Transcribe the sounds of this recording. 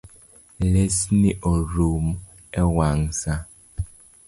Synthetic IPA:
lesniʔoɾum | ɛwaŋsa

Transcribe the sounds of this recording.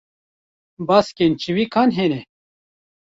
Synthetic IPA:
baːskent͡ɕiwikʰaːnɦeːne

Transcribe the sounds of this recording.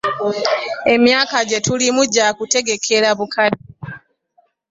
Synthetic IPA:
e̞mjaːkaɟe̞tulimuɟːakute̞ɡe̞kʰe̞laβukaɾi

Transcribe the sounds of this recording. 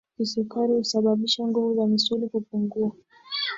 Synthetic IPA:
kisukaɾihusaɓaɓiʃaŋɡuvuzamisulikupuŋɡua

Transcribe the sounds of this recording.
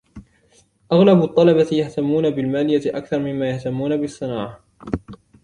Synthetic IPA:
ʔaɣlabt̪ˤːɑlɑbajaht̪amːuːnabɪlmaːlɪjaʔakθɑɾˤmɪmːaːjaht̪amːuːnabɪsˤːɨnaːʕa

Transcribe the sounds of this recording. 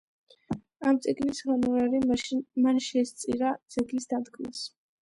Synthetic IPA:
amt̪sʼiɡnisʁanuɾaɾimanʃɛst̪sʼḭɾad̪zʼɛɡnisd̪ad̪ɡʰʼlḭs

